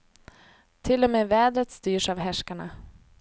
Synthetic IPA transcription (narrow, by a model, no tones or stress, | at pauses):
t̪ʰɪlːɔmeːvɛːd̪ɾət̪st̪yːʂavɦæʂkaɳa̰